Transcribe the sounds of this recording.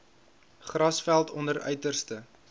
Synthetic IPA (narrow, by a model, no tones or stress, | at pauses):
χrɐsfælˠtɔndəɾœ̰ɥtərstə